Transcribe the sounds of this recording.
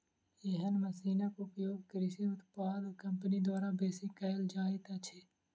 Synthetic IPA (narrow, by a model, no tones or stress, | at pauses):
eɦənməsiːnakʊpjoːɡkɾɪsiʊt̪paːd̪kɐ̃mpənid̪waːɾabeːsikɐld͡ʒaːet̪at͡ʃʰeː